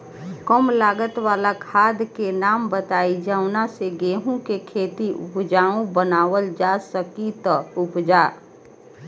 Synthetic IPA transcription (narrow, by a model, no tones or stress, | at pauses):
kəmlaːɡət̪waːlakʰaːd̪ʱkenaːmbət̪aːid͡ʒaːʊnaseɡeːɦũkekʰeːt̪iʔʊ̰pd͡ʒaːũbənaːʋəld͡ʒasəkit̪əʊpd͡ʒaː